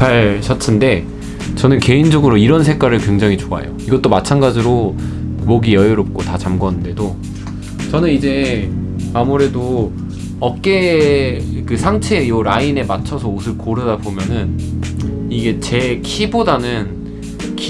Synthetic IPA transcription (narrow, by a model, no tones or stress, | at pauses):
paɭɕʰʌtʰɯnde̞ | t͡ɕʌnɯnke̞ind͡ʑʌɡɯɾoiɾʌnsʰe̞k͈aɾɯɭkwe̞ŋd͡ʑaŋit͡ɕoa̰jo̰iɡʌt͈omat͡ɕʰanɡad͡ʑiɾo | moɡijʌjɯɾop̚k͈otat͡ɕamɡoanɯnde̞do | t͡ɕʌnɯnid͡ʑe̞ | amuɾe̞do | ʌk͈e̞ | kɯsʰaŋt͡ɕʰejoɾaine̞mat͡ɕʰʌsʰʌusʰɯɭkoɾɯdabomjʌnɯn | iɡe̞t͡ɕe̞kʰibodanɯn | kʰ